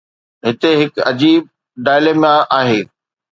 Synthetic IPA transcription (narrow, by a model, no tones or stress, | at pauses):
ɦɪt̪eɦɪkɐd͡ʑiːb̚ | ɖaːjleːmaʔaːɦeː